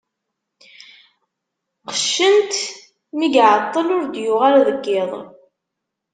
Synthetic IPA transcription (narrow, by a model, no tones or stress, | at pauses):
qəʃːənt̪ | miɡʕət̪ˤːəlʊɾd̪jʊʁaɾæðəɡːɪðˤ